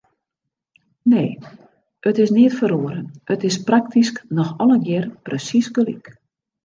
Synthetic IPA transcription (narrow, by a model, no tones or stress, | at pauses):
neː | ətɪsnɪətfəɾoəɾənətɪsprak̚tisknɔxɔləɡjɪərprəsisɡəlḭk